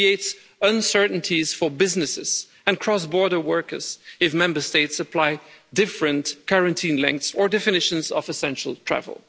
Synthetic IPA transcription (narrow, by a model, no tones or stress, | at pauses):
ieɪts | ʌ̃nsɜ˞ʔn̩tʰiz̥fəbɪznɨsɪz̥ | ɨ̃nkʰɹ̥ɔs̬bɔɹɾə˞wɜ˞kə̰˞z̥ɨfmɛ̃mbə˞steɪtsəpʰl̥aɪdɪfɹɨ̃nkʰaɹɨ̃ntʰĩːnlɛ̰̃ŋk̚t̪sə˞dɛfɨnɪʃə̃nzʌvɨsɛ̃nʃl̩ˠtʰɹ̥æ̰və̰l̩ˠ